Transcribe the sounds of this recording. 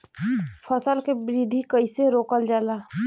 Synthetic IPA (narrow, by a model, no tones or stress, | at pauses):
pʰəsəlkebɾid̪ʱikəɪseɾoːkəld͡ʒaːla